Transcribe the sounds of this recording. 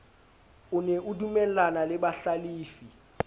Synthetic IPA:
uneʔudumɛlanalɛɓaɬaliːfi

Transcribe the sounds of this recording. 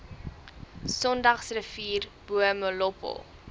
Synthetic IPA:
sɔndɐχsrəfiːrb̥uəməlɔpə̰lˠ

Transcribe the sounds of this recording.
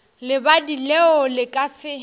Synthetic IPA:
lɪbadilɛʊlɪkʼasɪ

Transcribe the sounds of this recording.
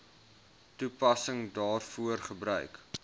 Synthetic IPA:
tupɐsəŋdɑːrfuərχəbɾœ̰ɥk

